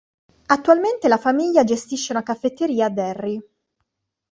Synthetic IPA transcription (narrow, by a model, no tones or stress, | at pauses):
at̪ːualment̪elafamiʎːad͡ʒest̪iʃːeunakafːet̪ːeɾiːad̪ɛrːi